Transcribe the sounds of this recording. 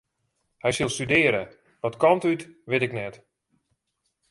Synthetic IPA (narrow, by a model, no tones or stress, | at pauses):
hɛjsilˠstydɪəɾə | ʋɔtkɔntytʋɪtɪknɛt